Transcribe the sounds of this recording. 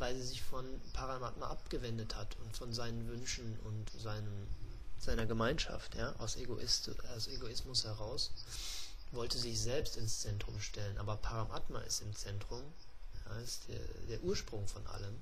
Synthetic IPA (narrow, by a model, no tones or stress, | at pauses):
vaɪlzːzɪçfɔnpʰaʁamatma̰ʔap̚ɡ̥əvɛndəthatʰʊntfɔnzaɪnənvʏnʃn̩ʊ̰ntzaɪnə | z̥aɪnɐɡəmaɪnʃa̰ftʰjaːʔa̰ʊseɡoʔɪsaʊseɡoɪsmʊshɛʁaʊs | vɔltəzɪçz̥ɛlpstɪnst͡sɛntʁ̥ʊmʃtɛlənʔaːbɐpʰaʁamʔatma̰ʔɪ̰stɪmt͡sɛntʁ̥ʊmjaːɪstd̥ḛːɐd̥eːɐʔuːɐʃpʁ̥ʊŋfɔnʔa̰ləm